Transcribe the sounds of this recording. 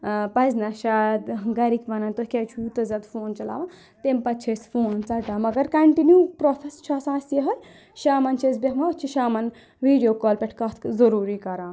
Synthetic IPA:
pɐznɐʃaːt̪ɡɐɾikbɐnɐnt̪okʲɐt͡ʃʰujut̪ɐzɐt̪fʰoːnt͡ʃɐla̰ːʋã | t̪empɐt̪t͡ʃʰesfʰoːnt͡sɐʈaːmɐɡɐɾkɐɳʈinjuːpɾofʰest͡ʃʰaːsãːsjeɦɐl | ʃaːmɐnt͡ʃʰesbʲekmaɐt͡ʃʰiʃaːmɐn | ʋiːɖijoːkoːlpʲeʈʰkɐt̪ʰkzɐɾuːɾikɐɾãː

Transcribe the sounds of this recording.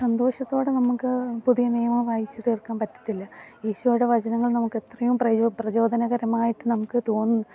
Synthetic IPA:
sɐnd̪o̞ːɕɐt̪ːo̞ːɽe̞nɐmukːɨpuðijɐnejɐmɐʋaːjit͡ɕːɐðeːrkːaːnpɐtːɐ̥t̪ːilːɐjeːɕujouɽe̞ʋɐt͡ɕɐnɐŋːɐɭnɐmukːe̞t̪rɐjumprɐprɐd͡ʑo̞ːd̪ʱɐnɐɣɐɾɐmaːjiʈːɨnɐmukːɨt̪o̞ːnː

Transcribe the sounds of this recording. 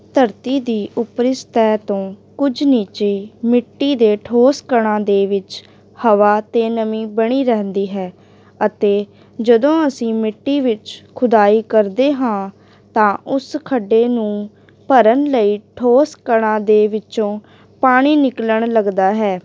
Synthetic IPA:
t̪ʰəɾt̪iːd̪iːʔʊpɾɪst̪ɛːt̪õːkʊd͡ʒniːt͡ʃeːmɪʈːiːd̪eːʈʰoːskəɳ̃ãːd̪eːʋɪt͡ʃ | həʋaːt̪eːnəmĩːbəɽ̃iːɾɛɦnd̪iːɦɛː | ət̪eː | d͡ʒəd̪õːəsĩːmɪʈːiːʋɪt͡ʃkʰʊd̪aːiːkəɾd̪eːɦãː | t̪ãːʔʊskʰəɖːeːnũː | pəɾənləiːʈʰoːskəɽ̃ãːd̪eːʋɪt͡ʃõː | paːɽ̃iːnɪkləɳləɡd̪aːɦɛː

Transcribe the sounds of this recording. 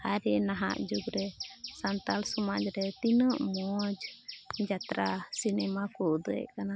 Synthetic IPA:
aɾɛnaɦa̰ʔd͡ʒuɡɾɛsant̪alsɔmad͡ʒɾɛt̪inəʔmɔd͡ʒd͡ʒat̪ɾasinɛmakɔʔd̪ə̰ʔkana

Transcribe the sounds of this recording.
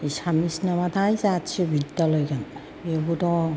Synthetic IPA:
isamisnamat̪ʰajsatsʰibʱidːalojkan | ebut̪ɔ

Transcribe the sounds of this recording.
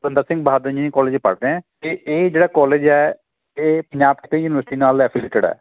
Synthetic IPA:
ɾə̃nd̪əɾsɪ̃ŋɡbaːd̪ɾəd͡ʒĩkɔːleːd͡ʒpə̰ɽd̪eɛ̃ːk̪eʔeːd͡ʒeːɽaːkɔːleːd͡ʒɛː | eːpəɲd͡ʒaːpkt̪ẽjuːnɪʋəɾsɪʈiːnaːlɛːpʰileːʈəɖɛ̰ː

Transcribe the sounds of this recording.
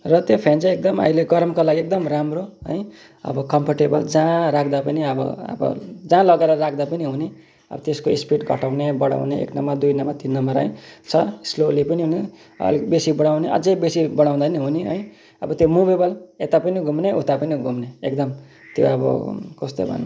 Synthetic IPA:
rʌt̪jopʰent͡sʌekd̪ʌma̰ileɡʌɾmkolaɡiek̚d̪ʌmramroɦʌ̰j | ʌ̰bʌkʌmpoʈebʌld͡zãɾakʰd̪apʌniʌbʌ̰ʌ̰bʌ̰d͡zãlʌɡaeɾʌrakʰd̪apʌniɦune | ʌ̰bʌt̪eskoispiʈɡʱʌ̰ʈawnebʌɽa̰wneḛknʌmad̪ujnʌmat̪inːʌmbʌɾɦʌ̰j̃t͡sʰʌslolipʌniɦune | ʌ̰libesibʌɽ̃awneʔʌ̰d͡zejbesibʌɽ̃aw̃d̪anʌɦuneɦʌj | ʌ̰bʌt̪jomubebʌlet̪apʌniɡʱumneʔut̪apʌniɡʱumneekd̪ʌm | t̪jo̰ʌbʌ̰kost̪o̰bʱʌ̰n

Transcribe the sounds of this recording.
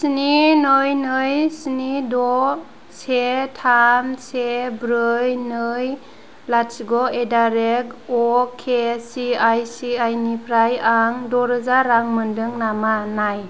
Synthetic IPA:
sininɯjnɯjsinidɔ | setʰamsebɾɯjnɯj | latsɡɔedaɾekɔkʰesiajsiajnipʰɾajaŋdɔɾɯzaɾaŋmɯndɯŋnamanaj

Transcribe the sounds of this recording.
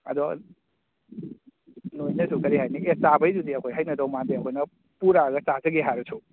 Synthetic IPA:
ɐ̰d̪ɔ | nojnɐsʰukɐɾiɦajniʔet͡ʃabɐjzudiɐkʰojɦajnɐdɔwmandiɐkʰojnɐ | puɾaɡɐt͡ʃazɐɡeɦaɾɐsʰu

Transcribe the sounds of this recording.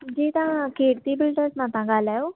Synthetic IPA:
d͡ʑiːt̪ãkʰeɽt̪ibilɖəɾsnãt̪ãɡʱalau

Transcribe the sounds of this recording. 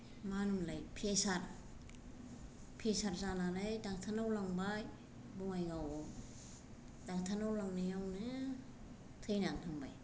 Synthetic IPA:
manumlajpʰesaɾ | pʰesaɾzanaɾajdak̚tʰanawlaŋbaj | buŋajɡaw | daŋtʰanawlaŋnɯjawnɯ | tʰɯjnaŋtʰaŋbaj

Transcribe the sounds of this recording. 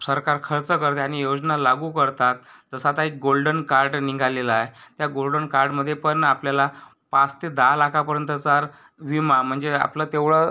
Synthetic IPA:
səɾkaɾkʰəɾt͡səkəɾt̪eaɽ̃ijod͡znalaɡukəɾt̪at̪̚d͡zəsat̪aek̚ɡolɖənkaɾɖniŋɡʱaleləaet̪jaɡolɖənkaɾɖməd̪ʱːjepəɳapljala | past̪ed̪alakʰapəɾjənt̪̬ət͡saɾ | ʋimam̤əɳd͡zea̰plət̪eʋɭə

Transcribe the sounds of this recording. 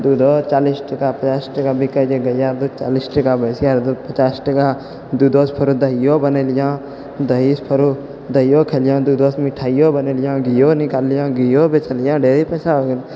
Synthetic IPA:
d̪uːd̪oːst͡ʃaːlisʈəkapət͡ʃaːsʈəkaːbikəd͡ʒeɡəjaːɾd̪ot͡ʃaːlisʈəkabəsiaɾd̪opət͡ʃaːsʈəkaː | d̪uːd̪oːspʰəɾud̪əijoːbəneːlɪjãː | d̪əispʰəɾu | d̪əijoːkʰeːlɪjãːd̪uːd̪oːsmiʈʰaːijoːbəneːlɪjãːɡijoːnɪkaːlːijãːɡijoːbet͡ʃəlɪjãːɖeːɾipɛːsaoɡl

